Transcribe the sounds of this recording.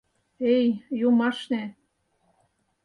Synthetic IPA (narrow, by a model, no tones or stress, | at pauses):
ejjumɑʃne